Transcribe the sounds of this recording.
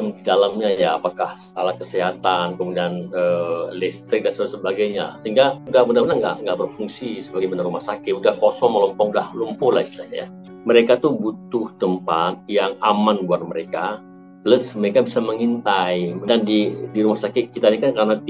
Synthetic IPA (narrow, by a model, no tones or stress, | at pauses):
mdidalamɲajaːpakahsalakəseɦat̪ankəmudianəlɛst̪ɾɪk̚dansat̪səbaɡajɲa̰səɦiŋɡaudahbənabənaŋɡa̰ʔŋɡaʔbərfuŋsisəbaɡajbənarumahsakɪt̪̚udahkɔsɔŋməlɔmpɔŋdahlumpʊlahist̪ilaɲaja̰ | məɾekat̪ubut̪ʊht̪əmpat̪̚jaŋamanbuar̚məɾeka | ləsməɾekabisaməŋint̪ajmədandidiɾumahsakɪt̪̚kit̪aɲakankaɾənat̪